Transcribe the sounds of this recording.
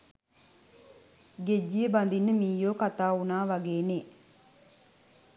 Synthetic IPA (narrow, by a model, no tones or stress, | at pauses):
ɡed͡ʒːijəband̪inːəmiːjoːkat̪aːunaːʋɐɡeːneː